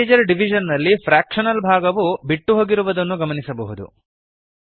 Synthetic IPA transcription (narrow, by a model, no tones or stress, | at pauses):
ed͡ʒɐɾɖiʋ̤ʱid͡ʒɐnːɐlːipʰɾaːkʂɐnɐlbʱaːɡɐʋubiʈːuɦo̞ːɡiɾuʋɐd̪ɐnːuɡɐmɐnisɐbɐɦud̪ṵ